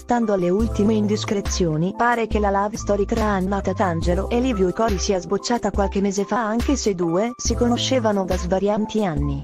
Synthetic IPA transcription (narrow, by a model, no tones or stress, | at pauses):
st̪and̪oalːeult̪imeind̪iskɾet̪sːjoːnipaːɾekelalaːvist̪ɔːɾit̪ɾaannaːt̪eat̪and͡ʒeloʔelːivjokɔɾisiːazbot͡ʃːaːt̪akwalkemːeːzefaaŋk̟esed̪uːesikonoʃːeːvanod̪azvaɾjaːnt̪ianːi